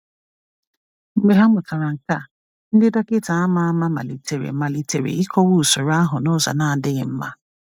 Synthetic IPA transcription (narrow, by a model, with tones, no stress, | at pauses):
m̩˦me˨ɦa˦mʊ˨ka˨ɾa˨ŋ̩˨ka˦˨ | n̩˦dɪ˦da˦kɪ˦ta˨a˦ma˦a˦ma˦ma̰˨li˨te˨ɾḛ˨ma˨li˨te˨ɾḛ˨i˦kʰɔ˦wu˦˨sʊ˨ɾa˦ɦʊ˨nʊ˦za̰˨na˦˨dɪ˦ɣɪ˨m̩˦ma˦